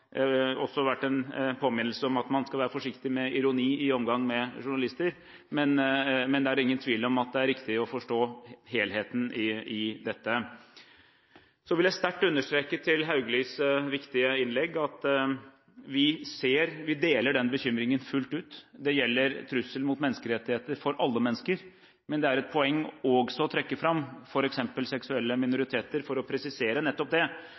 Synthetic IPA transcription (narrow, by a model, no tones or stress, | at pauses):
ɔsːɔʋæʈːɛnpʰoːmɪnːl̩səɔmɑt̪mɑnskɑlʋæːɾəfɔʂɪkt̪ɪmɛɪɾʊniːɪɔmɡɑŋmɛʂʊɳɑlɪst̪əɾ | mɛnmɛnd̪ɛæɾɪŋːənt̪ʰʋiːlɔmɑt̪̚d̪ɛæɾɪkt̪ɪɔfɔʂʈoːɦeːlɦeːt̪nɪɪd̪ɛt̪ːə | sɔʋɪljæɪst̪æʈːʉnːəʂʈ̪ɾeːkət̪ʰɪlɦɑʉɡəlyːsʋɪkt̪ɪəɪnlɛɡːɑt̪ | ʋɪseːɾʋɪd̪eːləɖɛnbəçʏmɾɪŋənfʉlt̪ʉːt̪d̪ɛjɛlːəɾt̪ʰɾʉsːəlmʊt̪mɛnːəskəɾɛt̪ːɪheːt̪əɾfɔɾʔɑlːəmɛnːəskəɾ | mɛnd̪ɛæɾɛt̪̚pʰɔɛŋːɔɡsɔt̪ʰɾɛkːəfɾɑmːfɔɾɛksɛmpəlsɛksʉɛlːəmɪnʊɾɪt̪ʰeːt̪əɾfɔɾɔpʰɾɛsɪseːɾənɛt̪ːɔp̚d̪ɛ